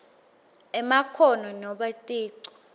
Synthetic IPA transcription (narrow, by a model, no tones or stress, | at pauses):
ɛmakʰɔnɔnɔɓatʼiːǀɔ̥